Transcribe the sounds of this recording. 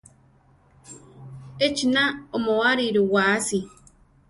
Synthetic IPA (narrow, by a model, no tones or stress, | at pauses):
et͡ʃinaomoaɾiɾuwaːsi